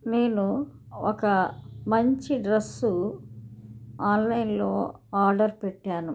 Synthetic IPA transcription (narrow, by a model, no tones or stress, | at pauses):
ne̞ːnu | ɔkɐmɐɲt͡ʃiɖɾɐsːu | aːnlɐjnlo̞ːaːɾɖɐɾpɛʈːaːnu